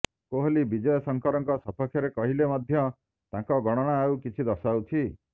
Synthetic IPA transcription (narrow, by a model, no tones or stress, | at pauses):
koɦolibid͡ʒɔjɔsɔŋkɔɾɔŋkɔsɔpʰɔkʰjɔɾekɔɦilemɔd̪ʱjɔ | t̪ãkɔɡɔɽ̃ɔɽ̃aːwkit͡ʃʰid̪ɔsawt͡ʃʰi